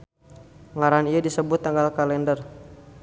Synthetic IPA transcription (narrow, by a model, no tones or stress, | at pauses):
ŋaɾaniadisəbʊt̪ːaŋɡalkalɛndər